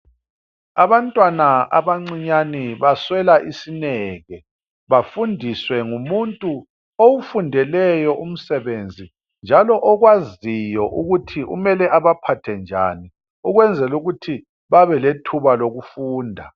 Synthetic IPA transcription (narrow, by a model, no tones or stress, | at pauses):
aβantʼwanaa̰βaŋ͡ǀiɲaniβaswɛlaʔisinɛːɣɛ | βafundʱiswɛŋumuntʼu | owufundʱɛlɛjɔʔum̩sɛβend͡zʱi | nd͡ʒʱalɔʔɔɣwazijɔʔuɣutʰiʔṵmɛlɛʔaβapʰatʰɛnd͡ʒʱa̰ni | uɣwɛnd͡zʱɛluɣutʰi | βaβɛletʰuβaloɣufuːndʱa